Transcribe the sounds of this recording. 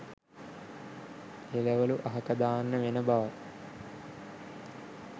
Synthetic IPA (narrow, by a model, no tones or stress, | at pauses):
elɐʋɐluʔɐɦɐkɐd̪aːnːəʋenɐbaːɐ